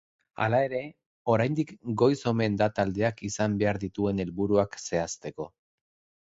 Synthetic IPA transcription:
a̰lae̞ɾe̞ | o̞ɾajnd̪ikɡo̞jso̞me̞nd̪at̪ald̪e̞akisambe̞aɾðit̪ue̞ne̞lβuɾuakse̞ast̪e̞ko̞

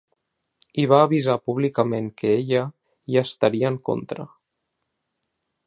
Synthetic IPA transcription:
iβaːβizapuβ̞likəmeŋkəeʎə | iast̪əɾiəːŋko̰nt̪ɾə̰

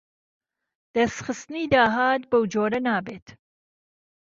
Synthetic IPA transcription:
d̪̥ɐsxɨst̪ɨniːd̪aːɦaːt̪̚bɐwd͡ʒoːɾɐnaːbeːt̪

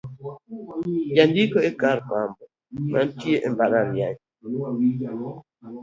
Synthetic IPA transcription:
d͡ʒandikoekaɾpambɔ | mʔantjeʔembaɾaɾja̰ɲ

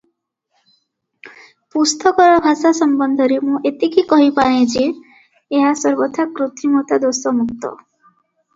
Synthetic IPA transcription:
pust̪ɔkɔɾɔbʱasasɔmbɔnd̪ʱɔɾemũʔet̪ikikɔɦipaɽ̃ẽd͡ʒi | eɦasɔɾbɔt̪ʰakɾut̪ʰimɔt̪ad̪osɔmuk̚t̪ɔ̰

